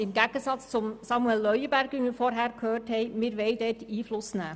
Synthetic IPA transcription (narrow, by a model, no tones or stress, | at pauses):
ɪmɡæɡəsɑt͡st͡sʊmsɑmuɛlːœʏəbæɾɡʋɪmɪɾfɔɾɦæːɾkʰhøːrthɛɪmɪːɾʋɛɪdɛtiːflʊsnæː